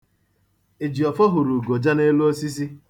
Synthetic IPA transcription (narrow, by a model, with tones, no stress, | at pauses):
e˨d͡ʒi˨ɔ˨fɔ˦ɦʊ˨ɾu˨ɡo˨d͡ʒa˦ne˦lu˦o˦si˦s̬i˦